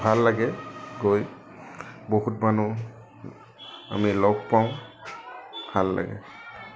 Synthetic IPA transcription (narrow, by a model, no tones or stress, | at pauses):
bʱalːaɡɛɡoj | boɦutmanu | a̰milɔɡ̚paw̃ | halːa̰ɡɛ̰